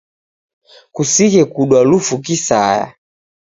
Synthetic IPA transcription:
kusiɣɛkuɗwalufukisa̰ja̰

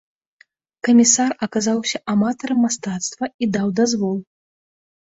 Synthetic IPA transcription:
kɐmʲisarɐkazawsʲɐʔamat̪ɐɾɐmːast̪at̪st̪vɐid̪awd̪azvɔlˠ

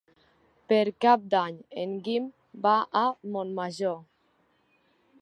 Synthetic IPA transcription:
peɾkap̚d̪aɲeŋɡim | baʔamonmaʒo

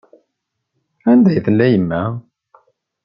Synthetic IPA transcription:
ænd̪æjθəlːæjəmːæ

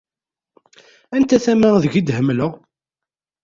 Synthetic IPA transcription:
ænt̪æθæməʁðəʝid̪həmːləʁ

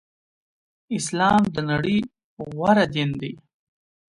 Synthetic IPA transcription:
ɪslɑːmd̪ənaɽi | ɣwaɾad̪ind̪i

